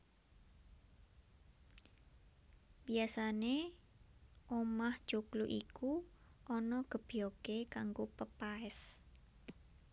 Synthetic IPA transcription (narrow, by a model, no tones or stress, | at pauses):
biasane | ʔomaht͡ʃukluʔikuʔɔnɔɡ̥ə̤b̥iokekaŋɡopəpaɛs